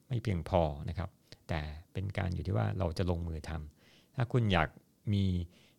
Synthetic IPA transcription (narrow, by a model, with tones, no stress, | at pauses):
ma˥˩jpʰli˧əŋpʰɔː˧na˦˥kʰa˦˥p̚t̪ɛː˨˩pe˧nka̰ː˧njuː˨˩iː˥˩wa̰ː˥˩ɾa˧wt͡ɕa˨˩loː˧ŋmɯː˧t̪ʰa˧m | t̪ʰaː˥˩kʰu˧njaː˨˩k̚ | miː˧